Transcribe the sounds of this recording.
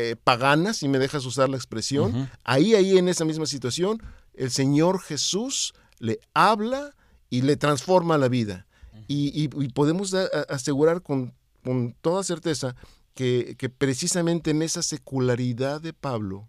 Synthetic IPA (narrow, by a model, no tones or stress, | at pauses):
epaɣanasime̞ðe̞xas̬usaɾlaekspɾe̞sjo̞na̰iaie̞ne̞samizmas̬it̪wasjo̞n | e̞lse̞ɲo̞ɾxe̞sus | le̞aβla | ile̞t̪ɾansfo̞ɾmalaβiða̰ | iːpoðe̞mo̞saase̞ɣuɾaɾkon | ko̞nt̪o̞ðase̞ɾt̪e̞sa | keke̞pɾe̞sisamẽ̞nt̪eːne̞sase̞kulaɾiðaðe̞paβlo̞̰